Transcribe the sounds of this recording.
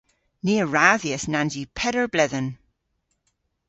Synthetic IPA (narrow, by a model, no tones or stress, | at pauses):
niːəɹaːðiəsnand͡ʒipʰɛɾəɹblɛðən